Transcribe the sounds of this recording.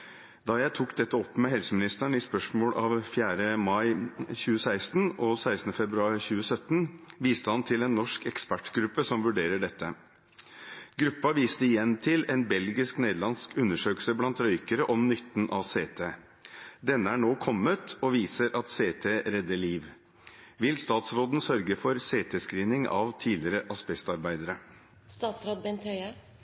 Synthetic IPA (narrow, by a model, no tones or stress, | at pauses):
d̪ɑːjæɪt̪ʰuːkd̪ɛt̪ːəɔpːmɛɦɛlsəmɪnɪst̪æɳɪspœʂmoːɽʔɑʋfjæːɾəmɑɪçʉːəsæɪst̪nɔsæɪst̪n̩əfɛbɾʉɑːɪçʉːəsœt̪ːnʋiːst̪əhɑnt̪ʰɪlɛnːɔʂkɛkspæʈɡɾʉpːəsɔmʋʉɖeːɾəɖɛt̪ʰːə | ɡɾʉpːɑʋiːst̪əɪjɛnt̪ʰɪlɛnbɛlɡɪskneːd̪lɑnskʉnːəʂøːkəl̩səblɑnt̪ɾœʏkəɾəʔɔmnʏt̪ːnʔɑʋseːt̪ʰeː | d̪ɛnːəæːɳoːkʰɔmːət̪ɔʋiːsəɾʔɑt̪seːt̪ʰeːɾɛd̪ːəɭiːʋ | ʋɪlst̪ɑːt̪sɾoːd̪n̩sœɾɡəfɔɾseːt̪ʰeːskɾiːnɪŋʔɑ̰ʋt̪ʰiːlɪɾəʔɑspɛst̪ɑɾbæɪd̪əɾə | st̪ɑːt̪sɾoːd̪̚bɛnt̪ʰœʏə